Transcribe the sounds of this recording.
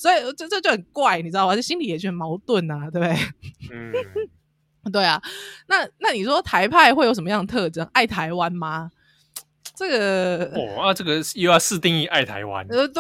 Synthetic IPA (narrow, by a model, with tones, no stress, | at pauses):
swɔ˧˥i˨t͡ɕo˥˧t͡ɕt͡ɕo˥˩ə˨˩nkwa˥˩ɪni˨˩ɻ̩˥˧˩t͡ɕɕi˥nli˨jɛ˨˩t͡ɕjo˥˩mɑ˨˧˥ʊt̪wə˥˨nɐ˩t̪we˥˩ɪbe˥˩ | t̪we˥˩ɪa˩na˥˨na˥˩ni˨˩ʂwɔ˦˥t̪ʰa˧˥ɪpʰa˥˧ɪxwe˥˩ɪjo˧˥ʂə˩mə˧jɑ˥˩ŋ˩t̪ʰɤ˥˧˩ʈ͡ʂɤ˦˥ŋʔa˥˩ɪt̪ʰa˧˥ɪwa˦nma˧ | ʈ͡ʂə˥˩ɡə˩ɔ˨˩a˥˧ʈ͡ʂɤ˥˩ɡə˨˩jja˥˧sɹ̩˥˧t̪i˥˧ŋi˥˧ʔa˥˩ɪt̪ʰa̰˨˧˦ɪwa̰˦n˧t̪w